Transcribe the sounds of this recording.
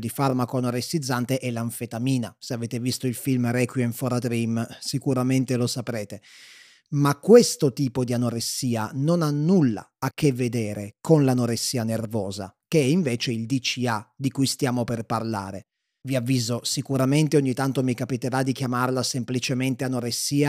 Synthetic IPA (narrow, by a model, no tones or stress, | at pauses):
d̪ifarmakoanoɾesːid̪zːant̪eʔɛlːaɱfet̪amiːnaseaveːt̪evist̪oilfilmɾɛkwiiɱfɔɾad̪ɾimsikuɾament̪elosapɾeːt̪e | makːwest̪ot̪iːpod̪ianoɾesːiːanonanːulːa̰ːk̟ːevːed̪eːɾekonlanoɾesːiːanervɔːza̰keɛiɱveːt͡ʃeild̪it͡ʃiad̪ikujst̪jaːmoperparla̰ːɾe | viavːiːzosikuɾament̪eoɲːit̪ːant̪omikapit̪eɾad̪ikjamarlasemplit͡ʃement̪eanoɾesːiːa